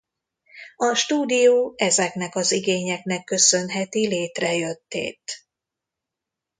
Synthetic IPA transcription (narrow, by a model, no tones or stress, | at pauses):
ɒʃt̪uːd̪ijoːɛzɛknɛkɒziɡeːɲɛkn̪ɛkːø̞sø̞nɦɛt̪ileːt̪rɛjøt̪ːḛːt̪